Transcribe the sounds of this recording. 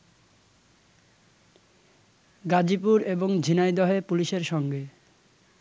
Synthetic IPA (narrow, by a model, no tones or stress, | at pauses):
ɡad͡ʑipuɾeboŋd͡ʑʱinajd̪ɔɦepuliʃeɾʃɔŋɡe